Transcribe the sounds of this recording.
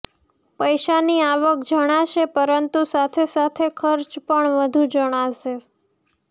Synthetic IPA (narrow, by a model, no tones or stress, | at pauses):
pəjʃaniaʋək̚d͡ʒəɽ̃aʃepəɾənt̪usat̪ʰesat̪ʰekʰəɾt͡ʃpəɳʋəd̪ʱũd͡ʒəɽ̃aʃe